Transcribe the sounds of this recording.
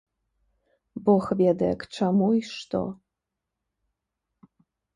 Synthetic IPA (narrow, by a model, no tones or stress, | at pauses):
boxvʲed̪ɛ̰kʈ͡ʂʰɐmuiʂt̪o̰